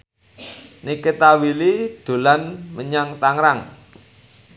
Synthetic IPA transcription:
niket̪awilid̪̥o̤lanməɲaŋt̪aŋɾaŋ

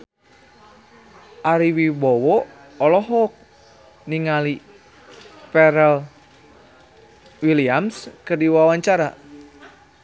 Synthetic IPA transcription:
ʔaɾiwibɔwɔː | lɔɦɔk̚ | niŋali | pɛɾɛl | wiliamskərdiwawaɲt͡ʃaɾa

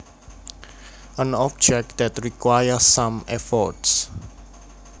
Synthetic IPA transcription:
ʔə̃nɔb̚d͡ʒɛk̚d̪̥ɛtɹikwajəsãmɛfɔts

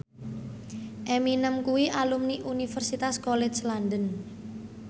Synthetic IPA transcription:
ʔeminəmkuwiʔalumniʔunifərsit̪askolet͡ʃlandən

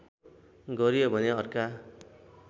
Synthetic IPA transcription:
ɡʌɾijobʱʌneʌrka

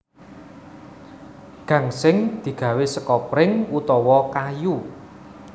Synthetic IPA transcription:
ɡ̥ä̤ŋsɪŋd̪̥i̤ɡ̥ä̤wɪsəkɔpɾɪŋut̪ɔwɔkaju

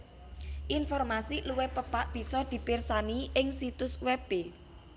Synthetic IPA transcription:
ʔɪnfɔrmasiluwepəpaʔb̥i̤sɔd̪̥i̤pɪrsaniʔɪŋsit̪ʊswɛb̥e

